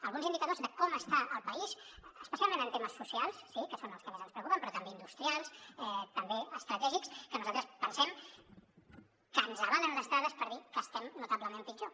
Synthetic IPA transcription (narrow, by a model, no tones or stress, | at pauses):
əlɣunzind̪ikəðozðəkɔməst̪aʔəlˠpəizəspəsjalˠmẽnənt̪eməsːusialˠssːikəsonəlˠskəmezənspɾəwkupəmpɾɔt̪əmbeind̪ust̪ɾialˠsɛt̪əmbeəst̪ɾət̪ɛʒikskənuzalˠt̪ɾəspənsɛm | kənzəβalənd̪əst̪ɾaðəspəɾð̞ikəst̪ɛmnut̪aβləmempid͡ʒo